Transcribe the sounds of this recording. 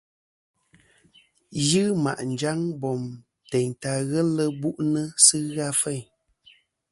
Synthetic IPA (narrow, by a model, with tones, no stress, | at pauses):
jɨ˦ma̰˨ʔn̩˨d͡ʒa˦ŋbɔ˨m | te˨ɲta˨ɣə˦lə˦bu˦ʔnə˦sɨ˦ɣa˦fɛ˦˨ɲ